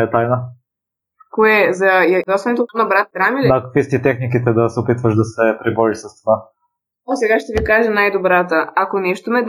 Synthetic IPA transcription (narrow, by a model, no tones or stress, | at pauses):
ɛt̪ajnə | koɛzɐd̪asɔnɛt̪onɐbɾat̪̚ɡ̪ɾamilid̪aːkɐ̥kvist̪it̪ɛxnikit̪ɛd̪ɐsɛopit̪vəʃd̪ɐsɛpɾibɔɾisɐst̪ova | ɔsɛɡaʃt̪ɛvikaʒənajd̪obɾat̪əakonɛʃt̪omɛd̪